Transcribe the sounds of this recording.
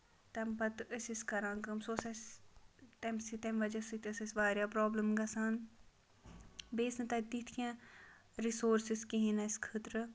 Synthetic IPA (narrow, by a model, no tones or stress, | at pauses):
t̪ɐmpɐt̪əsʲisʲkɐɾãːŋkɐmsosɐs | t̪ɐmsit̪ɐmʋɐd͡ʒɐsɨt̪ʲɐsɐsʲʋaːɾʲjaːpɾɔːbləmɡɐsaːn | beːsnɨt̪ɐd̪it̪ʰkʰã | ɾisoːɾsiskiɦinɐsʲkʰət̪ɾɨ